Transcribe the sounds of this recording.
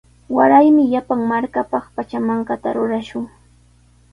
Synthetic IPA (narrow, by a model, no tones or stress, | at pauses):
waɾajmɪʎapaŋmaɾkapɑχpat͡ʃamaɴkat̪a̰ɾʊɾaʃʊŋ